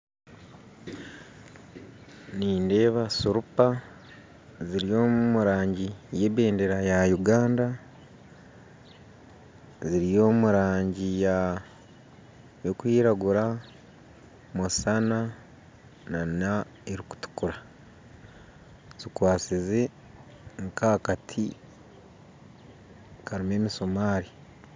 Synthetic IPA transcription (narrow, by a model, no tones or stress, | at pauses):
niːnde̞ːβasuɾupa | ziɾijo̞ːmumuɾaːɲɟije̞ːβe̞ːnde̞ɾajajuɡaːnda | ziɾijo̞ːmuɾaːɲɟija | jokuiːɾaɡuɾa | musana | nana | eɾiku̥tu̥kuɾa | z̥ikwaːsize̞ | ŋkakatʰi | kaɾime̞ːmiso̞maːɾi